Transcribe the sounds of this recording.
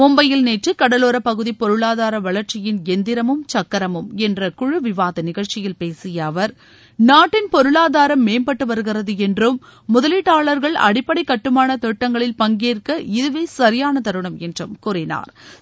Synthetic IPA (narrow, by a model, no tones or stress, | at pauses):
mɔmbɐjɪlneːʈrɯkɐɽɐloːɾɐpɐɣɯðipɔɾɯɭaːðaːɾɐʋɐɭɐɾt͡ʃɪjɪnɛnd̪ɪɾɐmɯmt͡ʃɐkːɐɾɐmɯmɛndrɐkʊɻɯʋɪʋaːðɐnɪɣɐɭt͡ʃɪjɪlpeːsɪjɐːʋɐɾ | naːʈːɪnpɔɾɯɭaːðaːɾɐmːeːmbɐʈːɯʋɐɾɯɣɪrɐðɯɛndrɯmː | ʊðɐlɪʈːaːɭɐɾɣɐɭɐ̰ɽɪpːɐɽɐɪkːɐʈːɯmaːnɐt̪ɔʈːɐŋɡɐɭɪlpɐŋɡeːrkɐɪðɯʋeːsɐɾɪjaːnɐt̪ɐɾɯɳɐmɛndrɯmkʊrɪna̰ːɾ